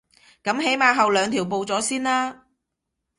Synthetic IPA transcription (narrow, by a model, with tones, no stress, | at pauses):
kɐ˨˥mɦe˨˥jmaː˧ɦɐ˨wlœː˨˧ŋt̪ʰiː˨˩wp̬o˨˧wt͡sɔː˨˥siː˥nlaː˥